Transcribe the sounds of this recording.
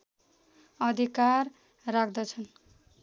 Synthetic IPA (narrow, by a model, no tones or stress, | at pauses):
ʌd̪ʱikarː | ak̚ʰd̪ʌt͡sʰʌn